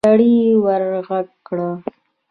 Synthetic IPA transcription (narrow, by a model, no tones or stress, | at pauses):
aɽiwəɾɣaɡɽa